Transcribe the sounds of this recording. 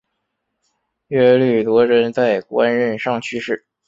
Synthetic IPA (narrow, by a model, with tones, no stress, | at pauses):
ɥɛ˥˧ly˥˩t̪wɔ˧˥ɻə˧˥nt͡sa˥˧ɪkwa˥nɻə˥˧nʂɑ˥˩ŋt͡ɕʰy˥ʂɻ̩˥˩